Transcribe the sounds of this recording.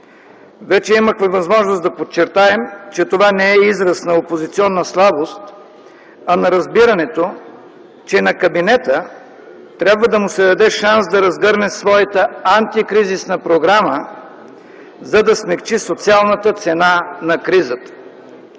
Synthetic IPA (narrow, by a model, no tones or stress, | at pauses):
vɛt͡ʃɛimɐkvəvɐzmɔʒnosd̪ɐpot͡ʃːɛɾt̪aɛmt͡ʃɛt̪ovanɛɛizɾɐsnɐopozit̪siɔnːəslˠabost̪ | ɐnɐɾɐzbiɾɐnɛt̪o | t͡ʃɛnɐkɐbinɛt̪ə | t̪ɾʲabvəd̪ɐmʊsɛd̪ɐd̪ɛʃansd̪ɐɾɐzɡɤɾnɛsvɔjət̪əant̪ikɾizisnəpɾoɡɾamə | zɐd̪ɐsmɛkt͡ʃisot̪sialˠnət̪ət̪sɛnanɐkɾizət̪ə̥